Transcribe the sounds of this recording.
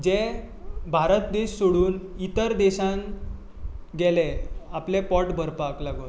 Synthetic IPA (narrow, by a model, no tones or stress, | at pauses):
d͡ʑe | bʱaɾət̪̚d̪eɕsoɽuːnit̪əɾd̪eɕãn | ɡɛleaplepɔʈbʱəɾpaklaɡot̪